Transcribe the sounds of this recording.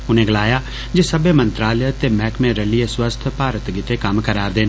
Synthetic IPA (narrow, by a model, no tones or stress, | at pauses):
ʊnẽɡɐlaːja | d͡ʒesɐbemɐ̃nt̪ɾaːljt̪emɛːkmẽɾɐlieswəst̪ʰpaːɾət̪ɡɪt̪ekɐmkɐɾaːɾd̪eːn